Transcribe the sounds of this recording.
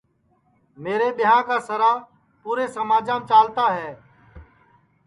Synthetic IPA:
meːɾeːɓɪɦãːkaːsəɾaː | puːɾeːsəmaːd͡ʒãːmt͡ʃaːlt̪aːɦɛː

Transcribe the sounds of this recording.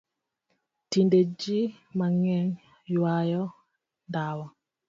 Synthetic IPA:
tinded͡ʒimaŋɛn | jwajɔ | ndawɔ

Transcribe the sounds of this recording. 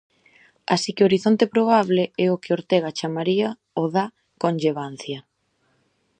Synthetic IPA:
a̰sikɪoɾiθont̪epɾoβ̞aβleɛʊkɪoɾt̪ɛɣ̞at͡ʃamaɾia | oða | konʲʎeβ̞an̟θjɐ

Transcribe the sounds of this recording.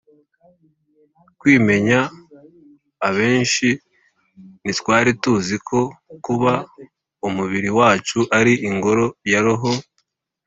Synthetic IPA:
kwiːme̞ɲa | βe̞ːnʃi | nitwaːɾituzikʰo̞kuβa | umuβiɾiwaːt͡ʃuʔaɾiʔiŋɡo̞ɾo̞jaɾoɦo

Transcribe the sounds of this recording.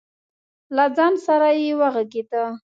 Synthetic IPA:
lad͡zɑnsaɾajewaɣaɡed̪a

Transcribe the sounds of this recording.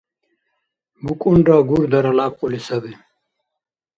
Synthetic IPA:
bukʼuɳɖaːɡuɾd̪ɐɾɐlaːp̚qulisɐbi

